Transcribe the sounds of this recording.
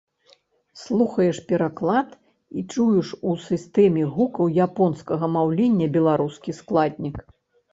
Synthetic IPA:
slˠuxɐjɛʂpʲɛɾaklˠat̪ | it͡ʂujuʂusɨst̪ɛmʲiɣukɐwjapɔnskɐɣɐmawlʲenʲːɐbʲɛlˠaɾuskʲisklˠad̪ʲnʲik

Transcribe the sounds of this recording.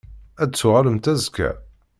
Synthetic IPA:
æd̪t͡sːʊʁæləmt̪æzkæ̰

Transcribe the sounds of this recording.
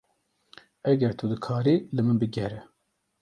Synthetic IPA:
ɛɡɛɾt̪ʰud̪ɨkʰaːɾilɨmɨnbɨɡɛɾɛ

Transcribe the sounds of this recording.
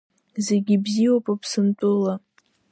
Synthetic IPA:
zeɡʲibziowpʼapʰsɨntʼʊla

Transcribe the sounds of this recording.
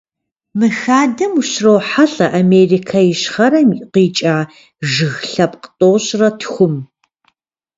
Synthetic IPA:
mɨxaːdɐmuɕrowħaɬʼɐʔameːrikʰajɪɕχɐɾɐmqiːt͡ʃʼaː | ʒɨɣɬɐpqə̥tʼoːɕʼrɐtʰxʷʊm

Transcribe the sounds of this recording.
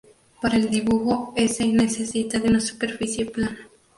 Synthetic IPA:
paɾaeld̪iβuxoesenesesit̪aðeunasu̥peɾfisjeplana

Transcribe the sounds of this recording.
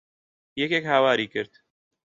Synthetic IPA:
jɛkekhawaːɾiːkɨɾt̪

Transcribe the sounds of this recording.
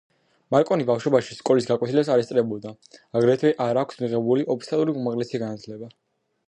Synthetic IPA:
maɾkʼɔnibafʃɔbaʃiskʼɔlisɡakʼwɛt̪ʰilɛsaɾɛst̪sʼɾɛbɔd̪a | aɡɾɛt̪ʰwɛʔaɾakʷʰsmiʁɛbuliʔɔp̚ʰst̪ʰalˠuɾiumaʁlɛsiɡanat̪ʰlɛba

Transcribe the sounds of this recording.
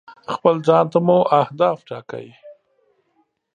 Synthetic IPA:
xpəlzɑnt̪amuʔahd̪ɑːfʈɑka̰wi

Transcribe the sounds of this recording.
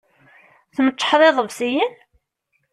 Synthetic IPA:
θəmət͡ʃːə̥ħðˤeðˤəvsijin

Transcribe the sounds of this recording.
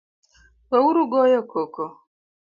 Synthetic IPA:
wewuɾuɡojɔkoko

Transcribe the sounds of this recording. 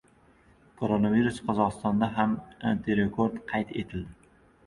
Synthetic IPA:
kʰoɾonaviɾusqʰɒzɒqɨst̪ɒnd̪aɦamant̪ʰeɾekʰoɾt̪qʰɑjt̪e̞t̪ʰɪld̪ɪ

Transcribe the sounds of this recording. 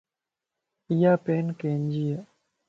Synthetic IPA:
ijaːpenkeːnd͡ʒija

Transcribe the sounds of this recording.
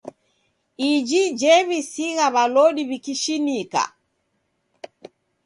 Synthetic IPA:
id͡ʒid͡ʒɛβisiɣaβalɔɗiβikiʃinika̰

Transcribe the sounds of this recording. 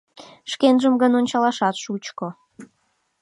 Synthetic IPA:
ʃkenʒəmɡənonʲt͡ɕɑlɑʃɑt̪ʃut͡ɕko

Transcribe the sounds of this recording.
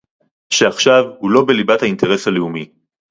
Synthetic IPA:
ʃeaχʃavhulo̞be̞libathaint̪e̞ʁe̞saleumi

